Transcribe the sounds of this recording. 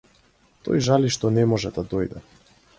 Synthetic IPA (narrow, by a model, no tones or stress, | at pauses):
t̪ɔ̰jʒaliʃt̪ɔnɛmɔʒɛd̪ad̪ɔjd̪ɛ̰